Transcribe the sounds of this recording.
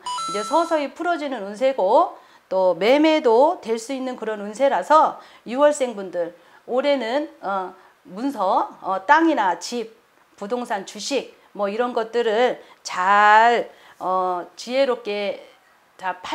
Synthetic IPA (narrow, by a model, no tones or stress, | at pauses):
id͡ʑe̞sʰʌsʰʌipʰuɾʌd͡ʑinɯnunsʰe̞ɡo | t͈ome̞me̞dotwe̞ɭs͈uinːɯnkɯɾʌnunsʰe̞ɾasʰʌ | juwʌɭs͈e̞ŋbundɯɾ | oɾe̞nɯnʌ | munsʰʌːt͈aŋinat͡ɕip̚ | pudoŋsʰant͡ɕuɕʰik̚ | mʌiɾʌnɡʌt̚t͈ɯɾɯɭ | t͡ɕaɭ | ʌt͡ɕie̞ɾok͈e̞ | t͡ɕapʰa